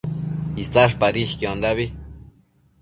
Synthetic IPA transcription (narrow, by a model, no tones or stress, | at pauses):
isaʂpaɾiʃkiondaβi